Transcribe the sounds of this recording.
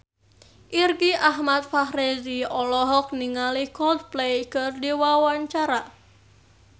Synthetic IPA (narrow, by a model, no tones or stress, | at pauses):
ʔirɡiʔaɦmat̪̚fahɾeziɔlɔɦɔk̚niŋalihkɔld̪̚plejkɨrdiwawaɲt͡ʃaɾa